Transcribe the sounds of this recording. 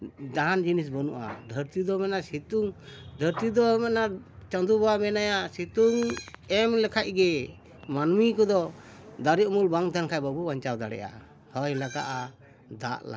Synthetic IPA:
d̪aɦand͡ʒinis̬bɔnṵʔa̰d̪ʱəɾt̪id̪ɔmɛnasit̪uŋd̪ʱəɾt̪id̪ɔmɛna | t͡ʃɔnd̪ubamɛnajasit̪uŋɛmlɛkʰaʔ̚ɡɛ | manmikɔd̪ɔ | d̪aɾiʔmulbaŋt̪ʰankʰajbabubaɲt͡ʃawd̪aɽɛ̰ʔa̰ | həjlakaʔa | d̪a̰ʔla̰

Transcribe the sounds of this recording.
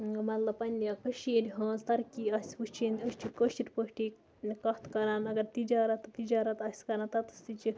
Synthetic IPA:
mɐt̪lɐbpɐnʲjɐkɐʃiɾʲɦãːnzt̪ɐɾkʲiɐsʲpust͡ʃʰiːnd̪ʲəʃt͡ʃʰitʲkoʃt͡ʃiɾʲpoʃʈi | kɐt̪kɐɾaːnɐɡɐɾt̪id͡ʒaːɾɐt̪ːt̪id͡ʒaːɾɐt̪ɐsʲkɐɾant̪ɐt̪ɨ̥st̪it͡ʃi

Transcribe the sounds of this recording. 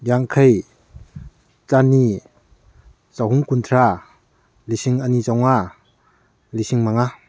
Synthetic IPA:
jaŋkʰaj | t͡ʃani | zawhuŋkuntʰɾa | lisiŋənizawŋa | lisiŋmaŋa

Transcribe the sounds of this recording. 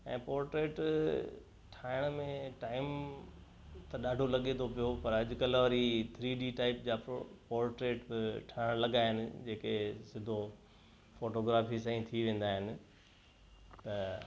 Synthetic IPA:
ɛ̃ːpɔːɾʈɾeːʈ | ʈʰaːɪɽ̃mẽʈaːɪm | t̪ɐɗaːɖʱolɐɠet̪ʰopijopɐɾɐʄʊkɐlʋɐɾit̪ʰɾiːɗiʈaːɪpd͡ʑaːpɔːɾʈɾeːʈbɪʈʰaːɪɽ̃lɐɠaːɦɪnɪ̆d͡ʑeːkesɪ̃d̪ʱo | foːʈoːɡɾaːfisãĩt̪ʰiʋẽːn̆d̪aːɦɪnɪ̆ | t̪ɐ

